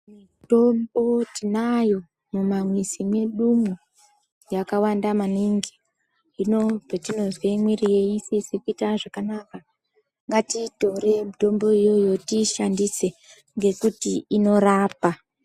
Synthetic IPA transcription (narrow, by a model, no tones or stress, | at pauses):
mi | to̞mbo̞tinajo̞ | mumamwisime̞ɗumu | jakawandamaniŋɡiː | no̞petino̞zwemwirijeisisikuitaʐakanaka | ŋɡatito̞ɾe̞mito̞mbo̞ijo̞jo̞tiʃandise̞ | ŋɡe̞kutiːno̞raːpa